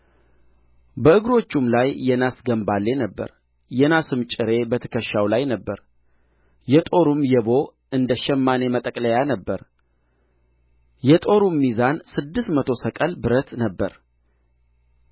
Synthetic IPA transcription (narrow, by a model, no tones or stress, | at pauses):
bəɨɡɾo̞t͡ʃːumlajːɛnasɡəmbalːe̞nəbːə̰ɾ | jɛnasɨmt͡ʃʼɪɾe̞bət̪ʰə̥kʰəʃːawlajnəbːəɾ | jɛt̪ʼo̞ɾumjɛbo̞ | ʔɨnd̪əʃɛmːane̞mət̪ʼəkʼləjanəbːəɾ | jɛt̪ʼo̞ɾumːizansɨd̪ːɨst̪mət̪ʰo̞səkʼəlbɨɾət̪nəbːəɾ